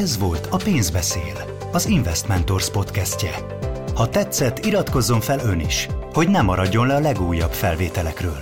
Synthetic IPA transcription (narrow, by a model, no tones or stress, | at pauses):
ɛzʋo̞lt̪ʰɒpeːnzbɛseːl | ɒziɱvɛst̪mɛnt̪o̞rspo̞t̪kɛscɛ | hɒt̪ɛt̪sːɛt̪ːiɾɒt̪ko̞zːo̞ɱfɛlø̞niʃho̞ɟnɛmːɒɾɒɟːo̞nlɛɒlɛɡuːjːɒbfɛlveːt̪ɛlɛkrøːl